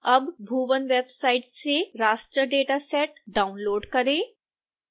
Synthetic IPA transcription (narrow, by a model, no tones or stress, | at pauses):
ɐbbʱuːʋənʋeːbsaːɪʈseɾaːʃʈɾəɖeːʈasɛːʈɖaːʊnloːɖkɐɾẽː